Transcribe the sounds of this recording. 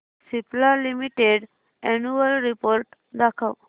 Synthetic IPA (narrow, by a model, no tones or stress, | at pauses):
siplalimiʈeɖ | ɛnuəlɾipoɾʈ | d̪akʰəw